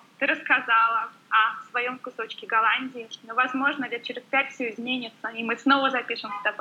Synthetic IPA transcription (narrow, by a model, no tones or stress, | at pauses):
t̪ɨɾəskɐzalˠə | ɐfsvɐjo̞mkʊso̞t͡ɕkʲɪɡɐlˠanʲdʲɪɪnovɐzmo̞ʐnədʲat͡ɕɪɾʲɪspʲætʲfʲsʲoɪzmʲenʲɪt̪səɪmɨsno̞vəzɐpʲiʂɨmɛt̪ɐp